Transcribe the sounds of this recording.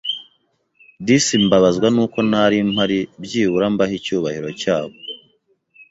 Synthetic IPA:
disimbaβazɡwanuːko̞naɾimhaɾibɟiːβuɾambahicuːβahiɾo̞caːβo

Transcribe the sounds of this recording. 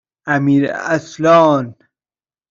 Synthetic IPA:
æmiɾa̰slɑːn

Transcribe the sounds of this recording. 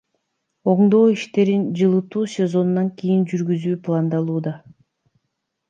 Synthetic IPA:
o̞ɴd̪o̞ːiʃt̪e̞ɾind͡ʒɯlˠɯt̪uːsʲe̞zo̞nːɑŋkʲijind͡ʒyɾɡyzyːplˠand̪ɑlˠuːd̪ɑ

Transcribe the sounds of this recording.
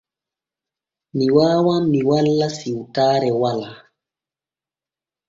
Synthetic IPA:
miwaːwamiwalːasiutaːɾɛwala

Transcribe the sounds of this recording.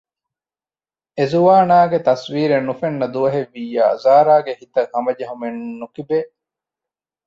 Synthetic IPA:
ezuʋaːnaːɡet̪ɐswiːɾenːufenːɐd̪uʋɐɦeʋːijːa̰ːzaːɾaːɡehit̪ɐhɐmɐd͡ʒɐɦumenːukibeː

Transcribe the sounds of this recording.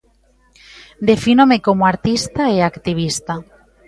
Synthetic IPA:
d̪efinomekomoaɾt̪ist̪aeakt̪iβ̞ist̪a

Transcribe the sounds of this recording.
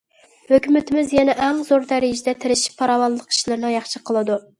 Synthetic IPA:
høkʲymɪt̪ʰɪmɪzjɛnɛʔɛmzoɾd̪æɾɪjd͡ʒid̪ɛt̪ʰɪɾɪʃi̥pʰːɑɾɑwɑlˠəqi̥ʃilˠɨɾd̪ɨŋjɑχʃɨqʰəlˠɨd̪u

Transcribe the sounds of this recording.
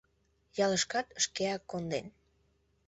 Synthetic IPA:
jɑləʃkɑt̪əʃkeɑkːond̪en

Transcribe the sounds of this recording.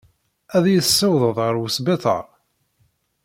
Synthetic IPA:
æðjəsːəwðˤəðˤʁəɾwəsbeθə̰ɾˤ

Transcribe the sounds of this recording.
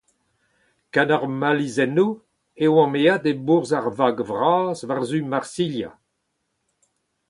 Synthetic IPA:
kanaʁmalizɛnu | ewɑ̃mead̪ebuʁzaʁvaɡvʁaːzvaʁzymaʁsilja̰

